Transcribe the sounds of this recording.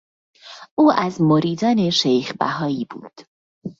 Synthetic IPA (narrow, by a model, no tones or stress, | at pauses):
ʔuːʔæzmoɾiːd̪ɒːne̞ʃejxbæ̰ɦɒːiːbṵːd̪̥